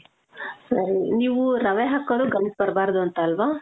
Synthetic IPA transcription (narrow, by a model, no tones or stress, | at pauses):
sɐɾiniːʋuɾɐʋeɦɐkːɐɭuɡɐmpɐɾɐbaːɾd̪uɐnt̪ɐːlʋaː